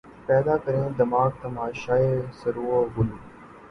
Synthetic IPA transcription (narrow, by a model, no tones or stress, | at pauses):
pɛːd̪aːkəɾẽːd̪ɪmaːɡ̚t̪əmaːʃaːeːsəɾuːoɦʊlũː